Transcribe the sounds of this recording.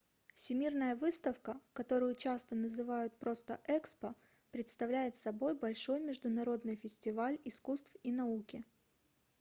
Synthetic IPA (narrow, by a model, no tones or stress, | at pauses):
fsʲɪmʲirnəjəvɨst̪əfkəkɐt̪o̞ɾʊjʊt͡ɕast̪ənəzɨvajʊt̪̚pɾo̞st̪ə̰ʔɛkspə | pɾʲɪt̪st̪ɐvlʲæjɪt̪sɐbo̞jbɐlʲʂo̞jmʲɪʐd̪ʊnɐɾo̞d̪nɨjfʲɪsʲtʲɪvalʲɪskust̪finɐukʲɪ